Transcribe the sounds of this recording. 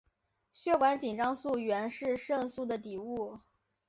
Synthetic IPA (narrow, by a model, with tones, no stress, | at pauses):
ɕɥɛ˥˩kwa˧˥nt͡ɕi˨˩ŋʈ͡ʂɑ˥ŋsu˥˩ɥɛ˧˥nʂɻ̩˥˧ʂɤ˥˧ŋsu˥˩d̪ə˩t̪i˨˩u˥˩